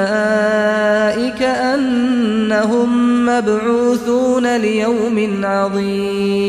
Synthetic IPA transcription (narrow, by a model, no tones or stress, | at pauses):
aː | ʔɪkaʔanːaɦʊmːabʕuːθuːnalɪjawmɪnʕɑðˤiːm